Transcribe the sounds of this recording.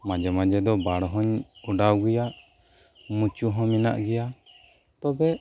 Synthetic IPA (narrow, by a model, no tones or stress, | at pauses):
mad͡ʒɛmad͡ʒɛd̪ɔbaɽɦɔɲuɖawɡɛjaʔ | mut͡ʃuɦɔ̃mina̰ʔɡɛja | t̪ɔbɛ